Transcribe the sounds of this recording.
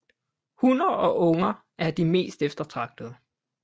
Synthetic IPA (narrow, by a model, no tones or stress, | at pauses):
hunɐɒ̽ʔɔ̽ŋɐ | ʔæɐd̥ime̝̰ːsd̥efd̥ɐt͡sʰʁɑ̈ɡ̥̚d̥əð̩ˠ